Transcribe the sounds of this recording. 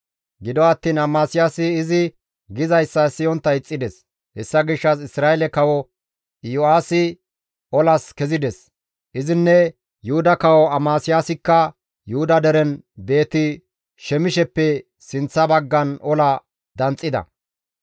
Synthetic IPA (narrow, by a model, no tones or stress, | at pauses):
ɡɪd̪ɔɐt̪ːiːnɐmaːsɪjaːsɪːzɪ | ɡɪzɐjsːɐsɪjɔnt̪ːɐɪt͡sʼːɪd̪ɛs | hɛsːɐɡɪʃːɐs̬ɪsɾaːɛlɛkɐwɔ | jɔaːsɪ | ɔlɐskɛzɪd̪ɛs | ʔɪzɪnːɛ | juhʊd̪ɐkɐwɔɐmaːsɪjaːsɪkːɐ | jʊhʊd̪ɐd̪ɛɾɛnbe̞ːt̪ɪ | ʃɛmɪʃɛpːɛ | sɪnt͡sːɐbɐɡːɐnɔlɐ | d̪ɐnt͡sʼːɪd̪ɐ̰